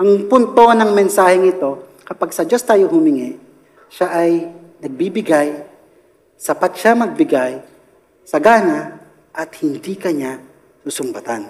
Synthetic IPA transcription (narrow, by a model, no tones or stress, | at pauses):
ʔɐŋpʊnt̪o̞nɐŋmɛnsaːhɛŋɪt̪o̞ | kɐpaɡsɐd͡ʒo̞st̪aːjohʊmɪŋɪʔ | ʃaʔɐj | nɐɡ̚bibɪɡaj | sɐpat̪ʃamɐɡ̚bɪɡaj | sɐɡaːna | ʔɐt̪hɪnd̪ikɐɲa | susʊmbɐt̪an